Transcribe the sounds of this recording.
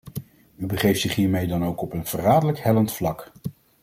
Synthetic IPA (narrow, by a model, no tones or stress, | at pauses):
ybəχejftsɪχɦiːɹmejdɑnowkɔpənv̥əraːdələkhɛləntflɑk